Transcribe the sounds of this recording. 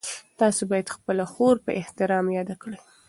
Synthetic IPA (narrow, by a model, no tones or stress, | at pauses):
t̪ɑsobɑjad̪xpəlaxoɾpə̰ʔɪht̪ɪɾɑmjɑd̪akɽəj